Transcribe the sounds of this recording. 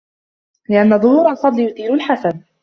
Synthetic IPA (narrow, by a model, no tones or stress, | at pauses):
lɪʔanːaðˤʊhuːɾɑlfɑd̪ˤlɪjʊθiːɾʊlħasan